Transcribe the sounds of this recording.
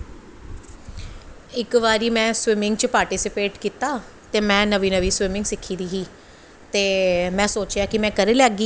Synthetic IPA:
ɪkʋaːɾiːmɛ̃ːswɪmɪ̃ŋɡt͡ʃəpaːɾʈiːsɪpeːʈkiːt̪aː | t̪eːmɛ̃ːnəʋiːnəʋiːswɪmɪ̃ŋɡsɪkʰːiːd̪iːɦiː | t̪eːmɛ̃ːsoːt͡ʃjaːkɪmɛ̃ːkəɾeːlɛːɡiː

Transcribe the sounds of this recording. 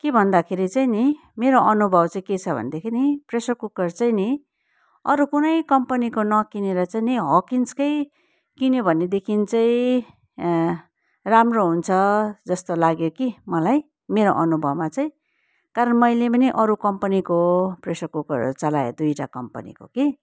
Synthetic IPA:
kebʱʌnd̪akʰeɾit͡saini | meɾoʔʌnubʱʌbt͡saĩket͡sʰʌbʱʌ̰nd̪ekʰenipresʌrkukʌrt͡saj̃ni | ʌɾukunʌjkʌmpʌnikonʌkineɾʌt͡sainiɦʌkinskʌj | kinjobʱʌnːed̪ekʰint͡saĩ | ramroɦunt͡sʰʌd͡zʌst̪olaɡjokimʌlaj | meɾoʔʌnubʱʌbmat͡saĩ | kaɾʌnmʌjlepʌniʔʌɾukʌmpʌnikopresʌrkukʌ̰rt͡sʌlaḛd̪ujʈa̰kʌmpʌ̰nḭko̰ki

